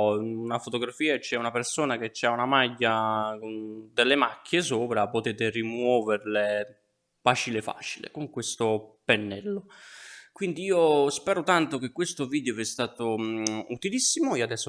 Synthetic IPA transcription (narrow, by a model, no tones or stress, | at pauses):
unafot̪oɡɾafiːat͡ʃɛunapeɾsoːnak̟et͡ʃːaunamaɟːakond̪elːemakʰːes̬oːpɾapot̪eːt̪erimwɔːverle | faːt͡ʃilefa̰ːt͡ʃilḛkoŋkwest̪openːɛlːokwind̪iiːospɛːɾot̪ant̪ok̟ekwest̪oviːd̪joviɛst̪aːt̪out̪ilisːimoioad̪ɛsːo